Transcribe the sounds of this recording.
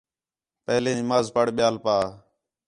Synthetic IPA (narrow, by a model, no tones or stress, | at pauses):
pəɦlẽːmaːzpəɽɓɪjaːlpaː